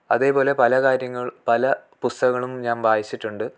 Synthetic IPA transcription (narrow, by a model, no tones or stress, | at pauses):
ɐðe̞ːpo̞ːle̞pɐlɐkaːɾjɐŋːɐɭpɐlɐpust̪ɐɐɣːɐɭumɲaːnbaːjit͡ɕːiʈːuɳɖɨ